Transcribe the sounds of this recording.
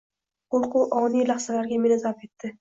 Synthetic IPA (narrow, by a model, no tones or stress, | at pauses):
qolˠqʊwʔɒnijlaχsalaɾɡʲamɪnazape̞t̪ːɪ